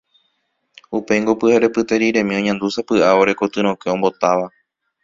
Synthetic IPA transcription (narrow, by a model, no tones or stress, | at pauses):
upe̞jŋɡopɨhaɾe̞pɨt̪e̞ɾiɾẽ̞mĩo̞ɲãnd̪usapɨʔaoɾe̞kot̪ɨɾ̃õkeõ̞mbo̞t̪aʋa